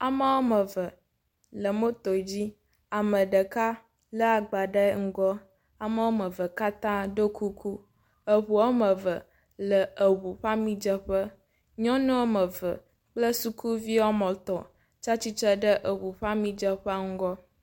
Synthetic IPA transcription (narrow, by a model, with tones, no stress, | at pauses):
a˨mə˦wo˦mə˨və˨ | lə˨mo˦t̪ɔ˨d͡ʑi˦ | a˨mə˨ɖə˨ka˦ | lə˦a˨ɡ͡ba˨ɖə˦ŋ̩˦ɡɔ˦ | a˨mə˦wo˦mə˨və˨ka˦t̪ã˦ɖo˦kʰu˦kʰu˦ | ə˨ɸu˨wo˦mə˨və˨ | lə˨ə˨wu˨ɸa˦mĩ˦d͡ʒə˦ɸə˦ | ɲɔ̃˦nɛ̃˦wo˦mə˨və˨ | k͡plə˦su˦kʰu˦vi˦wɔ˦mɔ̃˨t̪ɔ˨ | t͡ʃa˦t͡ɕi˦t͡ʃə˦ɖə˦ʔə˨wu˨ɸa˦mĩ˦d͡ʒə˦ɸə˦ŋ̩˦ɡɔ˦